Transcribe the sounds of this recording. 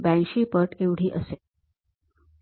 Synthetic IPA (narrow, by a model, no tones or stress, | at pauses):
bæ̃nɕiːpəʈeʋɽ̤iːʔəse